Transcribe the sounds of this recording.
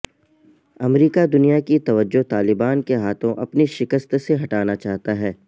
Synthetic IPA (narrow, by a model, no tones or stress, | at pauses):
ɐmɾiːkad̪ʊnijakit̪ɐʋəd͡ʒːoɦt̪aːlɪbaːnkeɦaːt̪ʰõʔɐpniʃɪkəst̪seɦɐʈaːnat͡ʃaːɦt̪aɦɛː